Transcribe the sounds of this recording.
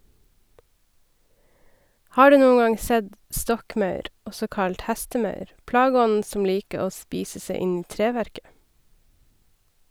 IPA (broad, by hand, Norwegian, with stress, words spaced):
ˈhɑː ˈɖʉː ˈnuːə ˈɡɑŋ ˈsɛd ˈstɔkˌmɑʉɾ ˈɔsɔ ˈkɑlt ˈhɛstəˌmɑʉɾ ˈplɑːɡəˌɔnn̩ sm̩ ˈliːkə ˈoː ˈspiːsə ˈsæɪ ˈɪn ˈiː ˈtɾeːˌʋæɾkə